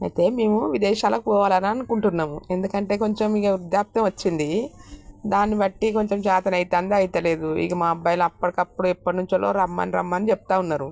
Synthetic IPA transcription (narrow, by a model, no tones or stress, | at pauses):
ɐ̰jt̪e̞ːme̞ːmuʋid̪ɛːʃaːlɐkukɔːʋaːlɐnaɐnukuɳʈunːaːmue̞nd̪ukɐɳʈe̞ːko̞ɲt͡ʃemikud̪jaːp̚t̪ɐmɐt͡ʃːind̪i | d̪aːnːiʋɐʈːiko̞ɲt͡ʃemt͡ʃaːt̪ɐnɐjit̪aːnd̪eɐjt̪ɐle̞ːd̪uḭɡɐmaːbːɐjɐlɐɐpːɐɽikɐpːuɽuɛpːɐʈinuɲt͡ʃɐlo̞̰ːɾɐmːa̰ːniɾɐ̰mːaːnit͡ʃɛpu̥t̪aːunːaːɾu